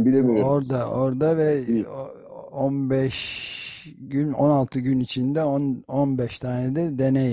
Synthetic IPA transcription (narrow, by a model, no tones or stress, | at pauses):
bilemioɾd̪ao̞ɾd̪avɛ | onbɛʃ | ɟyno̰nalˠt̪ʰɯɟynit͡ʃʰind̪ɛononbɛʃt̪ʰaːned̪ɛd̪e̞nej